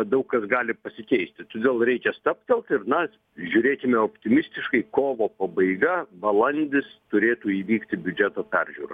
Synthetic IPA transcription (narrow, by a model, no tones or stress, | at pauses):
ɐd̪ɐʊkkɐsɡɑːlʲɪpɐsʲɪkʲɛɪsʲt̪ʲɪt̪oːd̪ʲeːlˠɾʲɛɪkʲɛst̪ɐpʲt̪ʲɛlˠt̪ɪɾnɐ | ʒʲʊɾʲeːkʲɪmʲɛoːpʲt̪ʲɪmʲɪsʲt̪ʲɪʃkɐɪkoːʋoːpɐbɐɪɡɐbɐlˠɐnʲd̪ʲɪst̪ʊɾʲeːt̪uːiːʋʲiːkt̪ʲɪbʲʊd͡ʒʲɛt̪oːpʲærʲʒʲuːɾɐ